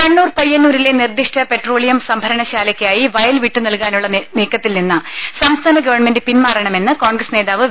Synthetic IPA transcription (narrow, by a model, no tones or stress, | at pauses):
kɐɳːuːrpɐjːɐnːuːɾilenird̪iʂʈʰɐpe̞ʈro̞ːɭijɐmsɐmbʱɐɾɐɳɐɕaːlɐkʲːaːjiʋɐjɐlʋiʈːunɐlkaːnuɭːɐniːkːɐt̪ːilninːɨsɐmst̪ʰaːnɐɡɐʋɐrɳme̞ndɨpinmaːrɐɳɐme̞nːɨko̞ːɳɡrɐsne̞ːðaːʋɨ